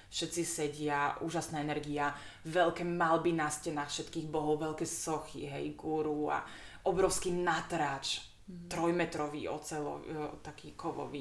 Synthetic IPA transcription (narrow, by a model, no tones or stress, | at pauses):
fʃɛt̪t͡sisɛɟɪaʔuːʒasnaːɛnɛɾɡiaʋɛlkɛːmalbinascɛnaːxfʃɛt̪kiːɣbɔɦɔʊʋɛlkɛːsɔxḭɦɛ̰jɡuɾua̰ | ʔɔbɾɔʊskinat̪ɾaːt͡ʃ | t̪ɾɔjmɛt̪ɾɔʋḭːɔ̰t͡sɛlɔ̰t̪akʰiːkɔʋɔ̰ʋḭː